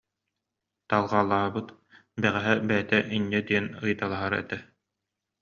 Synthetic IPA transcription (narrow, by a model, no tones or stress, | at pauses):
t̪alˠʁaːlˠːaːbɯt̪ | bɛʁɛɦɛbɛjt̪ɛʔiɲːɛd̪iɛnɯjt̪alˠaɦaɾɛ̰t̪ɛ